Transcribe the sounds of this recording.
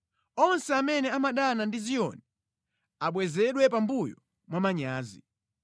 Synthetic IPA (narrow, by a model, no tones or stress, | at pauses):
ɔnsɛamɛnɛamaɗanandizijɔ̰nɛ | aɓwɛzɛɗwɛpambujɔ | mwamaɲaːzḭ